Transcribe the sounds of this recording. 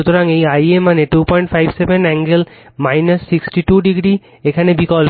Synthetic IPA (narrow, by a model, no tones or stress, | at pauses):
ut̪oɾaŋejajemaneʈupɔjɳʈfʰajbsebenɛŋɡel | majnasːiksʈiʈuɖiɡɾi | ekʰanebikɔl